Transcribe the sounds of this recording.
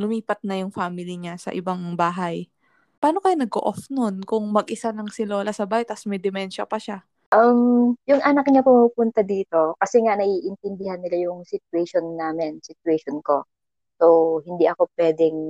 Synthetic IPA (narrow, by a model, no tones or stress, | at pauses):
lʊmiːpɐt̪̚nɐjʊŋfaːmɪlɪɲasɐ̰ʔɪbaŋbaːɦɐj | paːnokɐjonɐɡʔo̰ʔofnonkʊŋmɐɡʔɪsanɐŋsɪloːlɐsɐbaːhɪt̪ɐsmɐjd̪ɛmɛnʃɐpɐʃa | ʔɐmjʊŋʔɐnɐk̚ɲapʊmupʊnt̪ɐd̪iːt̪o̞kɐsɛŋanɐʔiʔɪnt̪ɪnd̪ɪhɐnːɪlajʊŋsɪt̪uwɛʃonːaːmɛnsɪt̪uwɛʃonko̞ | sowhɪnd̪iʔɐko̞pwɛːd̪ɛŋ